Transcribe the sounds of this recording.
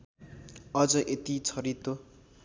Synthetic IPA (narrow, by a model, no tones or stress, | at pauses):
ʌd͡zʌʔet̪it͡sʰʌɾit̪o